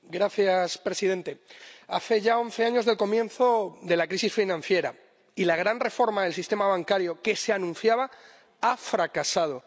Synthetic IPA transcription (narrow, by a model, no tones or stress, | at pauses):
ɡɾaθjaspɾe̞sið̞e̞nt̪e̞aθe̞ʝaõ̞nθe̞aɲo̞zðe̞lko̞mjẽ̞nθo̞ðe̞lakɾisisfinãn̟θje̞ɾa | ilaɣ̞ɾanre̞fo̞ɾmaðe̞lsist̪e̞maβ̞aŋkaɾjo̞ke̞seanũnθjaβa | afɾakasað̞o̞